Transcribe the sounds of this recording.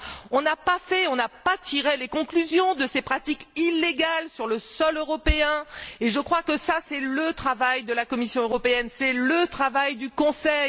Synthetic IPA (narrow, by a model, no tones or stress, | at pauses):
ɔ̃napafɛɔ̃napat̪ʰiʁelekɔ̃klyzjɔ̃d̪əsepχat̪ikilːeɡalsyʁləsɔløʁɔpeɛ̃eʒəkχwakəsasɛlət̪χavajd̪əlakɔmisjɔ̃øʁɔpeɛnsɛlət̪χavajd̪ykɔ̃sɛj